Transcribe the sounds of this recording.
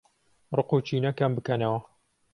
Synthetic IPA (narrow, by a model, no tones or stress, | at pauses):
rɨqut͡ʃʰinɐkambɨkɐnɐwɐ